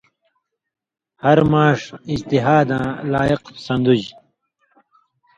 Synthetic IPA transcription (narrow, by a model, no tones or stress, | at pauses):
hɐɾmaːʂid͡ʑt̪iɦaːd̪ãːlaːiqsɐ̃nd̪ud͡ʑ